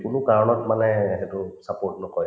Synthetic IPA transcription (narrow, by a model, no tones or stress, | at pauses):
kʊnʊkaɹɔnɔtmanɛːɦɛtʊsapoɹtnɔkɔj